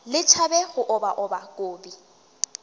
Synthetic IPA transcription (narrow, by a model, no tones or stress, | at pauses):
lɪt͡ʃʰabɛɣʊʔʊbaʔʊbakʼoːbi